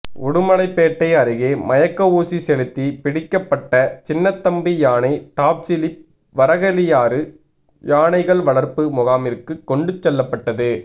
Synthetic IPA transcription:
ʊɽɯmɐɭɐɪpːeːʈːɐɪɐɾɯɣeːmɐjɐkːɐuːsisɛlɯt̪ːipɪɽɪkːɐpːɐʈːɐt͡ʃɪnːɐt̪ːɐmbijaːnɐɪʈaːp̚sɪlɪp̚ | ʋɐɾɐɣɐlɪjaːɾɯ | jaːnɐɪɣɐɭʋɐɭɐɾpɯmʊɣaːmɪɾkɯkːɔɳɖɯt͡ʃːɛlːɐpːɐʈːɐðɯ

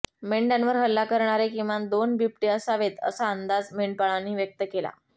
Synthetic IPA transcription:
meɳɖanʋəɾɦəlːakəɾɳaɾekĩwʋad̪onbʱip̚ʈiəsaʋet̪ə̰saənd̪ad͡zmeɳɖpaɭanːiːʋjək̚t̪əkela̰

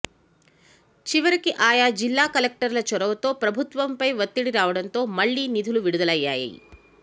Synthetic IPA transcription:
t͡ʃiʋɐɾikiʔaːjaːd͡ʒilːaːkɐlek̚ʈɐɾlɐt͡ʃɔɽɐʋɐt̪o̞ːpɾɐbʱut̪ʋɐmpɐjʋɐt̪ːiɽiɾaːʋɐɽɐnt̪o̞ːmɐɭːiːnid̪ʱuluʋiɽud̪ɐlɐjːa̰ːjɐ̰jḭ

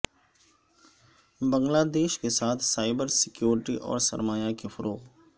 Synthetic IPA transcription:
bə̃ŋɡlaːd̪eːʃkesaːt̪ʰsaːɪbəɾsɪkjuːɾɪʈiʔɔ̰ːɾsɐ̰ɾmaːjakefʊɾʔoːɣ

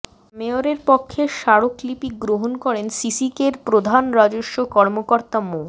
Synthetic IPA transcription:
meoɾeɾpokʰːeʃaɽoklipikɡɾoɦonkɔɾensisikeɾpɾod̪ʱanɾad͡ʑoʃːokɔɾmokoɾt̪amo

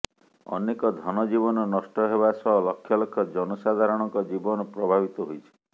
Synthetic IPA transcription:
ɔ̰nekɔd̪ʱɔnɔd͡ʒibɔnɔnɔsʈɔɦebasɔɦɔlɔkʰːjɔlɔkʰːɔd͡ʒɔnɔsad̪ʱaɾɔɽ̃ɔŋkɔd͡ʒibɔnɔpɾɔbʱabit̪ɔɦojt͡ʃʰi̥

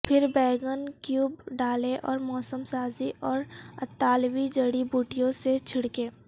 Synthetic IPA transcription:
pʰɪɾbɛːɡənkjuːbɖaːleʔɔːɾmɔːsəmsaːziʔɔːɾɐt̪ːaːlwid͡ʒəɽibuːʈɪjõset͡ʃʰɪɽkeː

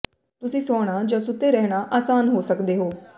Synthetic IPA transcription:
t̪ʊsĩːsoːɽ̃aːd͡ʒãːsʊt̪ːeːɾɛɦɽaʔaːsaːnɦoːsəkd̪eːɦoː

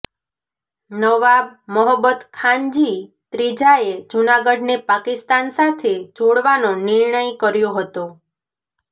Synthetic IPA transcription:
nəʋabməɦəbət̪kʰãɲd͡ʒi | t̪ɾid͡ʒaed͡ʒunaɡəɖnepakist̪ansat̪ʰed͡ʒoɽʋanonɪɾɳəjkəɾjoɦət̪o

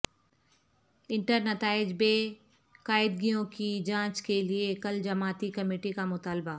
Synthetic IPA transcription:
ɪ̃ɳʈəɾnɐt̪aːɪd͡ʒbeː | kaːɪd̪ɡijõkid͡ʒãːt͡ʃkeliekɐld͡ʒɐmaːt̪ikɐmeːʈikamʊt̪aːlba

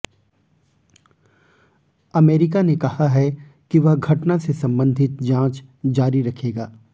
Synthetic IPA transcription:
ɐmeːɾɪkanekɐhaɦɛ | kiʋɐɦɡʱɐʈnasesɐ̃mbə̃nd̪ʱɪt̪̚d͡ʒãːt͡ʃd͡ʒaːɾiɾɐkʰeːɡaː

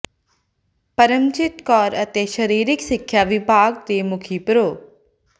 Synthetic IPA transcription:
pəɾəmt͡ʃɪt̪kɔːɾət̪eʃəɾiːɾɪksɪkʰjaʋɪbʱaːɡ̚t̪eːmʊkʰiːpɾoː

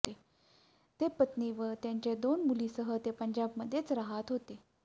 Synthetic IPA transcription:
e | t̪epət̪niʋəɾt̪jaɲt͡ɕed̪onmuliːsəɦət̪epəɲd͡ʑabməd̪ʱːjet͡sɾaɦat̪ɦot̪e

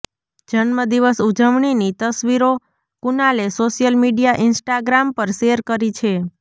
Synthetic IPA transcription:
d͡ʒəɳməd̪iʋəsud͡ʒəʋɳinit̪əsʋiɾo | kunalesoʃijəlmiɖijaʔɪnsʈaɡɾampəɾʃeəɾkəɾit͡ʃʰe

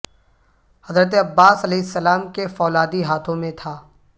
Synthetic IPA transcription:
hɐzɾət̪̬eɐbːaːsɐlɛːɪsːɐlaːmkefɔːlaːd̪iɦaːt̪ʰõmẽt̪ʰaː

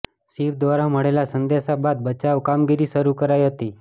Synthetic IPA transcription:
siʋd̪ʋaɾaməɽelasənd̪esabad̪̚bət͡ɕaʋkamɡiɾiːsəɾukəɾajɦət̪iː

